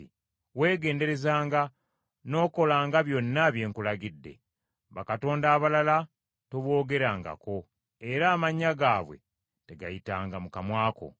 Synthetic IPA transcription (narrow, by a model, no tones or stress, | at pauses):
i | we̞ːɡe̞ːnde̞ɾe̞zaːŋɡa | no̞ːko̞laːŋɡaβjo̞nːaβje̞ːŋkulaɡidːe̞̰ | βakato̞ːndaːβalala | toβwo̞ːɡe̞ɾaːŋɡa̰ko̞ | e̞ɾaːmaɲːaɡaːβwe̞̰ | te̞ɡajitaːŋɡamukamwaːko̰